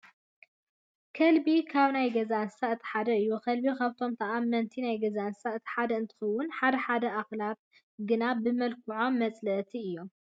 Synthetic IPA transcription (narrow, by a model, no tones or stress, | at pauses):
kʰɐlbikʰaβnajɡɐzansaɨt̪ʰi̥ħad̪ɐɨjːukʰɐlbikʰaβt̪ʰo̞mt̪ʰɐʔamːɐnt̪ʰinajɡɐzansaɨt̪ʰi̥ħad̪ɐɨnt̪ʰɨ̥xɐwːʊnħad̪ɐħad̪ɐʔaxlat̪̚ | ɡɨnabɨmɐlkʰɨʕo̞mːɐt͡sʼlɐʔt̪ʰiɨjːo̞m